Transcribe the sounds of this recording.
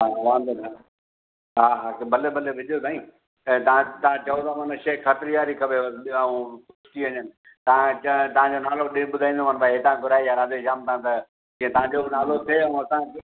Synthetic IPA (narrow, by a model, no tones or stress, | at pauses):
ɦaʋãːnd̪əɾa | ɦaːɦaːkbɐlebɐlebʱɪd͡ʑʱijot̪aːĩ | t̪ɐãt̪ɐãt͡ɕɐot̪amɐnəʃeːkʰɐt̪ɾjaːɾikʰɐbeʋɐsaũ | ʊʃʈiɐɲənɪ̆ | t̪ɐãt͡ɕɐt̪ɐʋ̤ãɲd͡ʑonaːloɗɪ̃ɓʊd̪ʱaːĩːnd̪omɐnbaɦet̪ãːkʊɾaːejaːɾaːd̪ed͡ʒaːmt̪ʰãt̪ɐ | d͡ʑiẽt̪ɐʋãɲd͡ʑonaːlot̪ʰeɐũɐsãk